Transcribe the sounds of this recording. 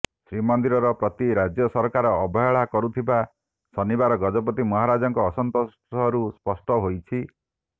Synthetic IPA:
sɾimɔnd̪iɾɔɾɔpɾɔt̪iɾad͡ʒjɔsɔɾkaɾɔːbɔjɔɭakɔɾut̪ʰiba | sɔnibaɾɔɡɔd͡ʒɔpɔt̪imɔɦaɾad͡ʒɔŋkɔːsɔnt̪os | ɔɾuspɔsʈɔɦojt͡ʃʰi

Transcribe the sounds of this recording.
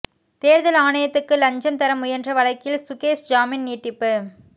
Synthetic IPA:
t̪eːɾðɐlaːɳɐjɐt̪ːɯkːɯlɐɲd͡ʒɐmt̪ɐɾɐmːʊjɐndrɐʋɐɭɐɪkːɪlsʊkeːsd͡ʒaːmɪnniːʈːɪpːɯ

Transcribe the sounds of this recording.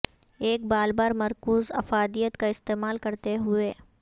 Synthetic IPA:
eːk̚baːlbaːɾmɐɾkuːzɐ̰faːd̪ijət̪kaɪst̪eːmaːlkɐɾt̪eɦʊeː

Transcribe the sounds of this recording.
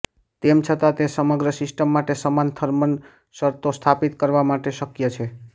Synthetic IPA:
t̪emt͡ʃʰət̪at̪esəməɡɾəsisʈəmːaʈesəmant̪ʰəɾmən | səɾt̪ost̪ʰapit̪kəɾʋamaʈesəkjət͡ʃʰe

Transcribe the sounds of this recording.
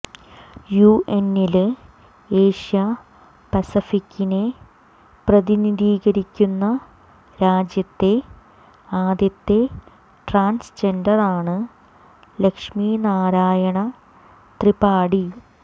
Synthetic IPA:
juʔenel | e̞ːʂijɐ | pɐsifikʲːine | prɐðiniðiːɣɐɾikʲːunːɐ | ɾaːd͡ʑjɐt̪ːe̞ | aːd̪jɐt̪ːe̞ | ʈraːnst͡ɕendɐraːɳɨ | le̞kʂminaːɾaːjɐɳɐ | t̪ripaːɽi

